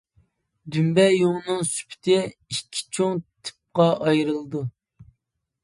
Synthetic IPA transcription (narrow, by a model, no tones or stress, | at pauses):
d̪ymbɛjoŋnɨŋsy̥pʰɪ̥t̪ʰɪikʲʰːi̥t͡ʃʰoŋt̪ʰɪ̥p̚qɑʔɑjɾɨlˠd̪u